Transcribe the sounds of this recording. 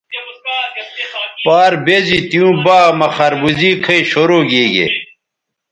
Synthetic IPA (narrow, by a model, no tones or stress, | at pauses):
paːɾbezit̪ijũːbaːmɐxɐɾbuziːkʰɐiɕoɾoːɡeːɡḛ